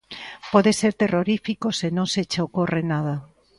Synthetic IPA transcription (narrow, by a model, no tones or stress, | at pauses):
pɔðeseɾt̪eroɾifikosenõŋset͡ʃaokorenaða